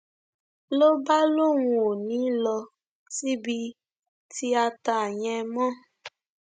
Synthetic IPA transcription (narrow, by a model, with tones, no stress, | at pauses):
lo˦ba˦lo˦ŋu˨o˨nĩ˦lɔ˧ | ti˦bi˧ | ti˦a˧ta˨a˨ɲɛ˧mɔ̃˦